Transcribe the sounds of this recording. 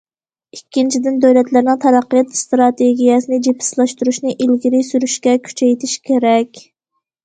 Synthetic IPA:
ikʲʰːint͡ʃʰid̪ɪnd̪øwlɛt̪lɪɾnɪŋt̪ʰɑɾɑqːəjɛt̪st̪ɾɑt̪ʰeɡʲijɛsɨnɪd͡ʒepʰːɪ̥slˠɑʃt̪uɾuʃnɪʔilɡʲiɾɪsyɾyʃkʲɛkʲʰy̥t͡ʃʰɛjt̪ʰɪʃkʲʰeɾɛkʲ

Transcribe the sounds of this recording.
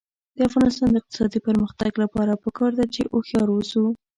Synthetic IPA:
d̪̥əafɣɑnɪst̪ɑnd̪əɪq̚t̪ɪ̥sɑd̪ipəɾməxt̪aɡlapɑɾapəkɑɾd̪at͡ʃeʔoxjɑɾozu

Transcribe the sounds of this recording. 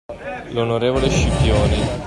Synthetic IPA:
lonoɾeːvoleʃipjoːni

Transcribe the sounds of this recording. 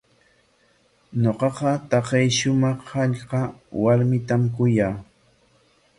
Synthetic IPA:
ɲoqɑqɑt̪ɑqɑjʃʊmɑχhɑʎqɑwaɾmɪt̪amkʊjaː

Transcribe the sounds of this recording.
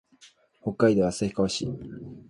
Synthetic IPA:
ho̞kːaid̪e̞βasaçi̥kaoɕḭː

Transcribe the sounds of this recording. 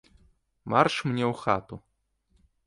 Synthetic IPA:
marʂmnʲɛwxa̰t̪u

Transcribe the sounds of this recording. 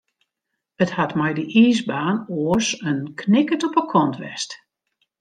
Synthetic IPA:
əthatmɛjdəʔiːsbaːnoəsənkʰnɪkətɔpəkʰɔntʋɛ̰st

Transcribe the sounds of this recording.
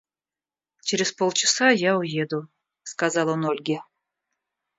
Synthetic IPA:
t͡ʃeɾʲɪzpolˠt͡ɕɪsajaujed̪u | skazɑlˠonolʲɡʲe

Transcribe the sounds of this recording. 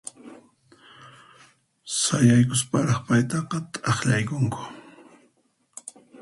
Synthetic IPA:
sajajkʊspɑɾɑχpajt̪ɑqɑt̪ʼɑχʎajkʊŋkʊ̥

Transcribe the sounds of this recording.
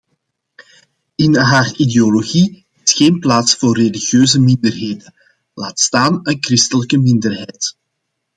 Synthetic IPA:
ɪnɦaːrideoloɣi | ɪsxeːnplaːtsfoːrːeliɣjøːzəmɪndərɦeːdən | laːtstaːnənkrɪstələkəmɪndərɦɛjt

